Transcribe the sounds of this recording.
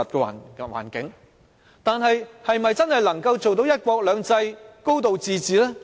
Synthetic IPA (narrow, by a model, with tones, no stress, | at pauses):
ɐ˨t̚kɛː˧wa̰ː˨˩nwa̰ː˨˩nkɪ˨˥ŋ | t̪aː˨nɦɐ˨jhɐ˨jmɐ˨jt͡sɐ˥nhɐ˨jlɐ˨˩ŋkɐ˧wt͡so˨wt̪o˨˥wjɐ˥t̚kʷɔː˧k̚lœː˨˧ŋt͡sɐ˧jko˥wt̪̬o˨wt͡siː˨˧t͡siː˨lɛː˥